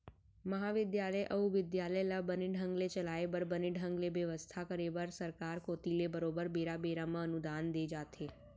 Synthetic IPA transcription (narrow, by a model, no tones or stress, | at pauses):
məɦaʋɪd̪jaləjʔəɦuʋɪd̪jaləjlabəniɖʱə̃ŋɡlet͡ʃəlaebəɾbəniɖʱəŋɡleʋəʋəst̪ʰakəɾebəɾsəɾkaɾkot̪ilebəɾobəɾbeɾabeɾamãənud̪and̪ed͡ʒat̪ʰe